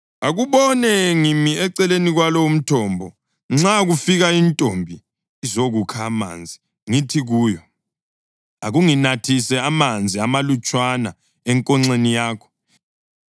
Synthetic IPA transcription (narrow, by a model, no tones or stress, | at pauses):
aɣuβɔnɛŋimiɛǀɛleniɣwalɔwum̩tʰɔːmbʱɔ | ŋ͡ǁaɣufiɣaintʼombʱiː | zoɣukʰaːma̰ːnd͡zʱi | ŋitʰiɣuːjɔ | aɣuŋinatʰisɛamand͡zʱiamalut͡ʃʼwana̰ | ɛŋkʼɔŋ͡ǀenijaːkʰɔ̥